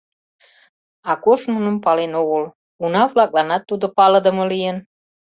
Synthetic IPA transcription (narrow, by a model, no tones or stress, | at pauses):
ɑkoʃnunə̆mpɑlenoɣəl | unɑβlɑk̚lɑnɑt̪ːud̪opɑləd̪ə̆məlijen